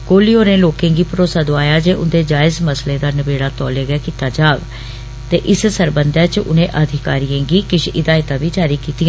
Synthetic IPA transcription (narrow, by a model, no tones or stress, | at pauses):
koːliːoːnẽːloːkẽːɡiːpəɾoːsaːd̪oaːjaːd͡ʒeːʔʊnd̪eːd͡ʒaːɪzməslẽːd̪aːnəbeːɽaːt̪ɔːleːɡɛːkiːt̪aːd͡ʒaːʋ | t̪eːʔɪssəɾbənd̪ɛːt͡ʃʊ̰nẽːʔəd̪ʱɪkaːɾijẽːɡiːkɪʃʰɪd̪aːɪt̪ãːʋiːd͡ʒaːɾiːkiːt̪ɪãː